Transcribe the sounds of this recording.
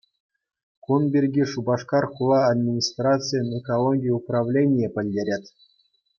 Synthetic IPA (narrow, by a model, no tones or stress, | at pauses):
kunbʲirʲɡʲiʂubɑʂkɑrχulˠɑːd̪ʲmʲinʲist̪rat̪sɨjinʲekolˠoɡʲijuprɑvlʲenʲɪjepʲɘ̆lʲdʲeɾʲetʲ